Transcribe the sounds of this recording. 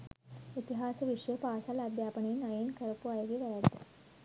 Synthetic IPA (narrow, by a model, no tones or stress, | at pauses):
it̪iɦaːsəʋiʂjəpaːsalad̪ʱjaːpəɳenajenkɐɾpuajoɡiʋɐɾaɡ̪e